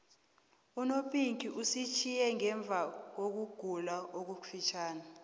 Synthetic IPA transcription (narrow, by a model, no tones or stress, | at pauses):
unopʼiŋkʼiʔusit͡ʃʰijɛŋɛɱb̪vʱak̬ok̬uɡ̥ʱulaʔok̬ufit͡ʃʰaːna